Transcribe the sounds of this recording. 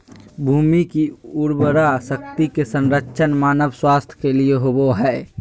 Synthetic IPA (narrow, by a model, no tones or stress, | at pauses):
bʱuːmikiʊɾbəɾasəkt̪ikesənɾəkːʃʰənmaːnəʋswaːst̪ʰjkelieɦoboɦɛ